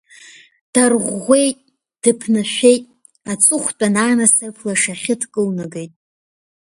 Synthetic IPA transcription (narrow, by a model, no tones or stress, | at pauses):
d̥arʁʷe̞jtʼ | d̥ɨpʰnɨʃʷᶣe̞jtʼ | at͡sʼʊχʷt͡pʼanaːnasɨpʰlaʂaχʲɪtʰkʼɨlnɨɡejtʼ